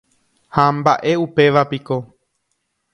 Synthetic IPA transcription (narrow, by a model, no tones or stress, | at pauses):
hambaʔe̞upe̞ʋapiko̞